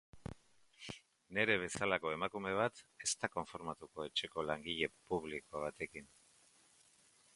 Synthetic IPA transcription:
ne̞ɾe̞β̞e̞salako̞e̞makume̞β̞at̪e̞st̪ako̞ɱfo̞ɾmat̪uko̞e̞t͡ʃe̞ko̞laŋɡiʎe̞puβlikoaβ̞at̪e̞kin

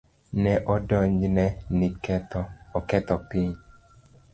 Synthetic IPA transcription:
nɛʔɔdɔɲd͡ʒnɛnɪkɛt̪ɔɔkɛt̪ɔpiɲ

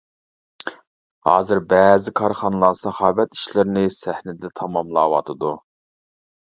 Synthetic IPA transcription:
hɑ̰ːzɨɾbɛzɪkʰɑɾχɑnɨlˠɑsɑχɑːvɛt̪i̥ʃlɪɾɪnɪsæhnɪd̪ɛt̪ʰɑmɑmlˠɑːwɑ̰t̪ʰɨd̪u

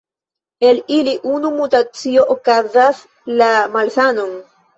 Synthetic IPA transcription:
eliliʔunumutat͡sio̞ʔokazas | lamalsanon

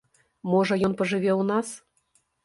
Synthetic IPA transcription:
moʒɤ̆jonpɤ̆ʒɨ̆βʲeunɑs

